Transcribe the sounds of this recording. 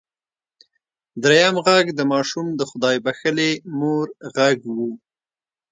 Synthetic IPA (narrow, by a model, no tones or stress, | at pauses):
d̪ɾejamɣaɡd̪əmɑʃumd̪əxʊd̪ɑjbaxəlemoɾɣaɡwu